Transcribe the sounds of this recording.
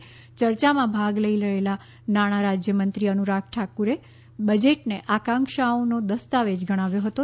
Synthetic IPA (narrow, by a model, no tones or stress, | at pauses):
t͡ʃəɾt͡ʃamãbʱaɡləiləela | naɽ̃aɾad͡ʒjəmənt̪ɾiənuɾakʰʈʰakuɾe | bəd͡ʒeʈneʔakãŋkʃaonod̪əst̪aʋed͡ʒɡʱəɽ̃aʋjoɦət̪o